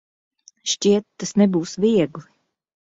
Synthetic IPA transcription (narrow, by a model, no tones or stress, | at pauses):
ʃcʲiɛt̪ːasnɛbuːsvʲiɛɡlˠi